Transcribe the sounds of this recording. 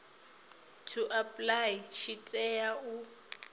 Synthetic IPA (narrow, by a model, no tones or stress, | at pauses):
tʰuʔapʼlajʃitʼɛjau